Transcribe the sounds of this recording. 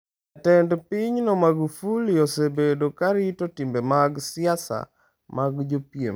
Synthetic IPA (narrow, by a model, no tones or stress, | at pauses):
tɛndpiɲnɔmaɡfuliosebedokaɾitotimbemaɡsɪasa̰ | maɡd͡ʒopjḛm